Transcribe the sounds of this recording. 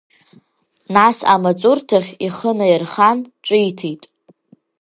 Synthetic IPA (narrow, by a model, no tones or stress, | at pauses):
nasa̰mat͡sʼʊrtʰaχʲiχənajɪrχanʈ͡ʂʷʼɨjtʰitʼ